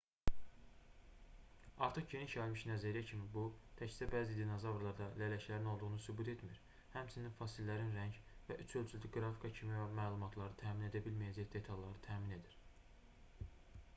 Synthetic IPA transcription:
ɑɾt̪ʰɯχɟe̞niʃɑilmiʃnæzæɾijæcʰimibut̪ʰæcsi̥d̪æbæːzid̪inozɑvɾlˠɑɾd̪ɑlælæʃlæɾino̞lˠd̪uʁunusybut̪ʰe̞t̪miɾ | hæmt͡ʃʰininfɑsilːæɾinɾæɲɟvæʔyt͡ʃʰø̞lt͡ʃʰyld̪iɡɾɑfi̥kʰɑcʰimivæmæːlˠumɑt̪ʰlˠɑɾɯt̪ʰæːmine̞d̪æbilmæjæd͡ʒæçd̪e̞t̪ʰɑjlːˠɑɾɯt̪ʰæːmine̞d̪iɾ̥

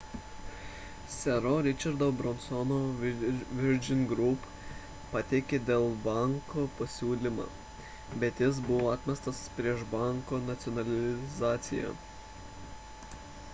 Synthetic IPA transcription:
sʲɛɾoɾʲɪt͡ʃʲɐɾd̪obɾɔnsɔno | ʋʲɪɾʲd͡ʒʲɪnɡɾʊp | pɐt̪ʲɛɪkʲed̪ʲeːlˠbɑŋkoːpɐsʲuːlʲima̰ː | bʲɛt̪ʲjʲɪs̬bʊʋoːat̪ʲmʲɛst̪ɐspʲɾʲiɛʃbɑˑŋkoːnɐt̪sʲɔnɐlʲɪzɑːt̪sʲɪjæ̰ː

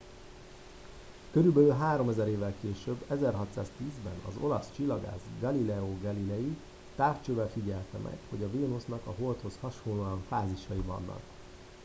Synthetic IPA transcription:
køɾylbɛløːɦaːɾo̞mɛzɛɾeːvɛlkeːʃøbːɛzɛrɦɒt̪sa̰ːz̥t̪iːzbɛ̰nɒ̰zo̞̰lɒst͡ʃilːɒɡa̰ːzɡɒlilɛoːɡɒlilɛji | t̪aːrt͡ʃøːvɛlfiɟɛlt̪ɛmʔɛ̰kho̞ɟɒveːnusnɒkɒɦo̞lt̪ho̞shɒʃonloːɒɱfaːziʃɒjivɒ̰nːɒ̰k

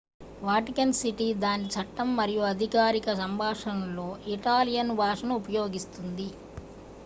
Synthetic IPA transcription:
ʋaːʈikɐnsiʈid̪aːnit͡ʃɐʈːɐmːɐɾijuɐd̪ʱikaːɾikɐsɐmbʱaːʂɐnɐlːo̞ːʔiʈaːlijɐnbʱaːʂɐnɐupɐjo̞ːɡist̪und̪i

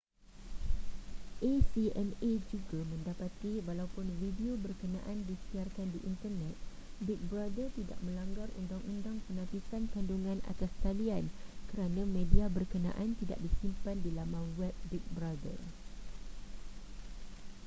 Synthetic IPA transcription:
ʔesiɛned͡ʒuɡamə̃ndapat̪iwalawpʊnvidiobərkənã̰ʔandisiarkandiʔint̪ərnɛt̪̚ | bɪk̚bɾadərt̪ida̰ʔ̚mə̃laŋɡarṵndaŋʔundaŋpənãpisankanduŋãna̰t̪ast̪aliankəɾanãmẽdiabərkənã̰ʔant̪ida̰ʔ̚disimpandilamãwɛb̚bik̚bɾadə̰r

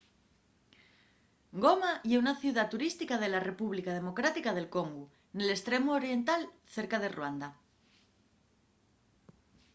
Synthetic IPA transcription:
ɡo̞majeunaθjuðat̪uɾist̪ikað̞e̞lare̞puβlikað̞e̞mo̞kɾat̪ikaðe̞lko̞ŋɡu | ne̞le̞st̪ɾe̞moːɾje̞nt̪al | θe̞ɾkaðe̞rwand̪a

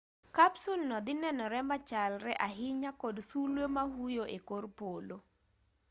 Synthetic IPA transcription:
kapsulnɔd̪ɪnɛnɔɾɛmat͡ʃalrɛʔaɦɪɲakɔdsulwemahujoʔekorpolo

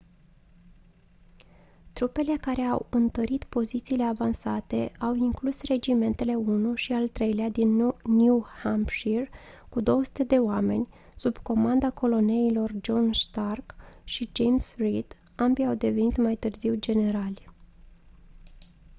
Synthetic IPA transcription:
t̪ɾupe̞le̞kaɾe̞awɨnt̪əɾit̪po̞zit̪siːle̞avansat̪e̞ʔawiŋklusre̞d͡ʒime̞nt̪e̞le̞unuʃialt̪ɾe̞jlead̪inːjuhampʃirkud̪o̞wəsu̥t̪e̞d̪e̞oame̞̰nʲ | subko̞mand̪ako̞lo̞ne̞ilo̞rd͡ʒo̞nʃt̪arkʃid͡ʒe̞jmsrid̪ | ambiawd̪e̞ve̞nit̪majt̪ɨrziwd͡ʒe̞ne̞ɾalʲ

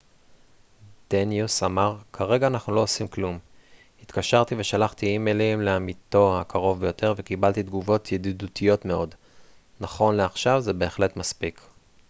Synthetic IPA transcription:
d̪̥enjusamaʁkʰaʁe̞ɡaːnaχnulo̞osimklum | hit̪kaʃaʁt̪ive̞ʃalaχt̪iimelimleamit̪o̞hakʰaʁo̞vbe̞jo̞t̪ʰe̞ʁvekibalt̪id̪ɡuvo̞t̪ʰjed̪idut̪ʰijo̞t̪me̞o̞d | naχo̞nleaχʃavzebe̞ːχle̞t̪maspik

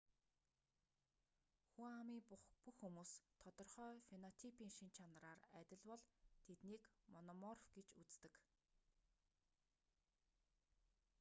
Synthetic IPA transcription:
xuamiːpuxːumuːst̪ʰɔt̪ɞ̆rχœːfenɔt̪ʰipʰiːŋʃint͡ɕʰanraːræt̪ʲɪ̆ɮwɔɮt̪ʰet̪niːkmɔnɔmɔrfɡet͡ɕut͡st̪ɘ̆k

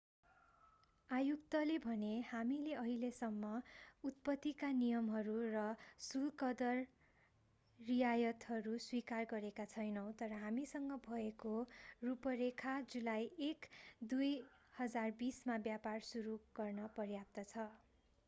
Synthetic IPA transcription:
ajuk̚t̪ʌlebʱʌnehamileʌɦilesʌmːʌut̪̚pʌt̪ːikanijʌmɦʌɾurʌsulkʌd̪ʌr | ijajʌt̪ɦʌɾuswikarɡʌɾekat͡sʰʌjnʌw̃t̪ʌɾʌɦamisʌŋɡʌbʱʌekorupʌɾekʰad͡zulajekd̪ujhʌd͡zarbismabjaparsuɾuɡ̥ʌrnʌpʌrjap̚t̪ʌt͡sʰʌ

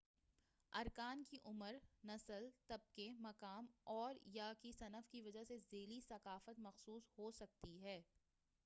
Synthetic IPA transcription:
ɐɾkaːnkiʔʊməɾnɐsəlt̪ɐb̚kemɐkaːmɔːɾjakisɐnəfkiʋɐd͡ʒasezeːlisɐkaːfət̪mɐxsuːsɦoːsɐk̚t̪iɦɛː

